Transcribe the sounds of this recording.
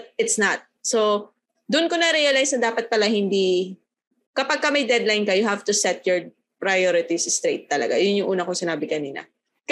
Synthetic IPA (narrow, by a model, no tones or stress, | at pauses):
t̪̚ɪt̪snɐt̪̚so | d̪ʊnkonɐɾɛjɐlajsnɐd̪aːpɐt̪̚pɐlahɪnd̪i | kɐpaɡ̚kɐmɐjd̪ɛd̪lajnkɐjʊhavt̪ʊsɛt̪̚jɔɹ | pɾɐjoɾɪt̪isst̪ɾejt̪ːɐlɐ̰ɡa̰jʊnjʊŋʔuːnɐkosɪnaːbɪkɐniːnɐ̰ | k